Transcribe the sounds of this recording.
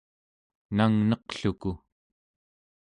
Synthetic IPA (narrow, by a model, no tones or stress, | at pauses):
naŋnʌqɬuku